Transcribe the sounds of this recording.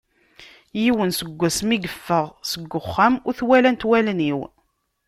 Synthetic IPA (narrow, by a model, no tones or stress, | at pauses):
jiwənsəɡʷːæsmiɡəfːəʁsəɡːəχːæmʊθwælænt̪wælniw